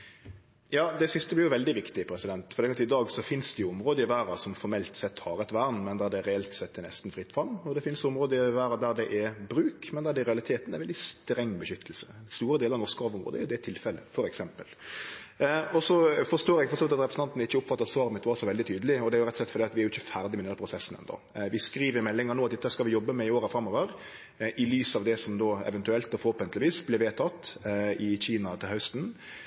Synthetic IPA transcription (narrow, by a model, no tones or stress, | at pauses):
jɑːd̪ɛsɪst̪əblɪɾjʊʋɛld̪ɪʋɪkt̪ɪpʰɾɛsɪd̪ɛnt̪fɔɾd̪ɛːkɑt̪ɪd̪ɑːɡsɔfɪnsd̪ɛjʊɔmɾoːd̪əɪʋæːɾɑsɔmfɔɾmɛlt̪sɛt̪ːhɑɾɛt̪ʋæːɾnmɛnd̪æɖ̪ɛɾɛɛlt̪sɛt̪ːɛnɛ̰st̪n̩fɾɪt̪ːfɑmːɔd̪ɛfɪnsɔmɾoːd̪əɪʋæːɾɑd̪æɾd̪ɛʔɛbɾʉːkmɛnd̪æd̪ɛɾɛɑlɪt̪ʰeːt̪n̩ɛ̰ɾʋɛld̪ɪst̪ɾɛŋːbəʃʏt̪ʰːəlsə̥st̪uːɾəd̪eːləɾɑnɔɾʂkəɑʋɔmʁo̰ːd̪ɛɾjʊd̪ɛt̪ʰɪlfɛlːəfɔɾɛksɛmpəl | ɔsɔfɔɾʂt̪oːɾɛɡfɔɾsɔːʋɪt̪ɑt̪ɾɛpɾəsn̩ɑnt̪n̩ɪçːəʊpfɑt̪ːɑt̪sʋɑːɾmət̪ʋɑɾʂɔʋɛld̪ɪt̪ʰyːd̪əlɪɔd̪ɛæɾjʊɾɛt̪ɔsɛt̪fɾd̪ɛːɑt̪ʋɪæɾjʊɪçːəfæɾd̪ɪmɛɪnɛd̪əɾpʰɾʊsɛsːnɛ̰nd̪ɔ̰ | ʋɪskɾiːʋəɾmɛlːɪŋəɾɳoːɑt̪dɛt̪ːəhæskɑʋɪjɔbːəmɛɪoːɾəfɾɑmːɔːʋəɾ | ʔɪlyːsɑʋd̪ɛsɔmd̪oːɛ̰ʋənt̪ʉɛlt̪ɔfɔɾhoːpənt̪lɪʋiːsblɛʋeːt̪ʰɑt̪ːɪçiːnɑt̪ʰɪlhœst̪n̩